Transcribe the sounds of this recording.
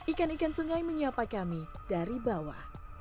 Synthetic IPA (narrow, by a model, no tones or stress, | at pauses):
ikanikansuŋajməɲiapakamid̥aɾibawa̰